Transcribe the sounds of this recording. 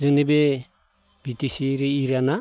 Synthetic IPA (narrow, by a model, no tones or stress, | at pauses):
zɔnibe | bitisiɾiiɾana